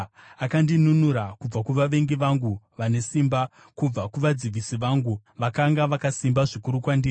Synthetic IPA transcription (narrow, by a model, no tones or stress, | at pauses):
akandinunuɾakub͡vakuʋaʋe̞ŋɡiʋaŋɡu | ʋane̞simba | kub͡vakuʋad͡ziʋisiʋaŋɡuʋakaŋɡaʋakasimbaʐikuɾukwandiːri